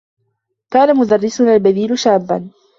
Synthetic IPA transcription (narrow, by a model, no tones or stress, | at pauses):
kaːnamʊd̪ɑrːɪsʊnalbaðiːlʊʃaːbːa̰n